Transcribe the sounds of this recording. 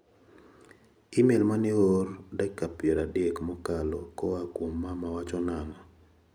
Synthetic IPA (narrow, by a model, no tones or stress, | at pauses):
ɪmelmanɪordɛkːapjɛɾadɪekmɔkalɔkɔakwomːamawat͡ʃɔnanɔ